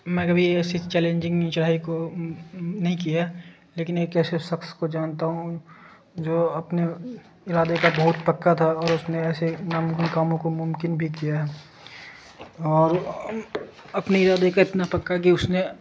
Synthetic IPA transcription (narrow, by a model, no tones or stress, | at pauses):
mɛ̃ːkɐbʱiɛːsit͡ʃɛːlẽːɲd͡ʒɪ̃ŋɡĩt͡ʃɐɽ̤aːiko | nɐɦĩkijaɦɛ | leːkɪnmeːkɛːseʃɐkskod͡ʒaːnt̪aɦũ | d͡ʒoːɐpne | ɪɾaːd̪ekabɐɦʊt̪pɐkːat̪ʰaɔːɾʊsneɛːsenaːmʊkɪnkaːmõkomʊ̃mkɪnbʱikijaɦɛː | ɔːɾ | ɐpneɪɾaːd̪ekaɪt̪napɐkːak̬iʊsne